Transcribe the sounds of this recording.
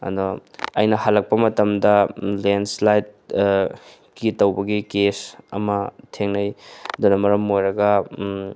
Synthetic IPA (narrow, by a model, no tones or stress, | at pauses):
ɐ̰d̪ɔɐ̰jnɐhalːɐk̚pɐmɐtɐmdɐlenslajt̚ | kitɐwbɐɡikesɐ̰mɐtʰeŋnɐjdonɐmɐɾɐmojɾɐɡɐ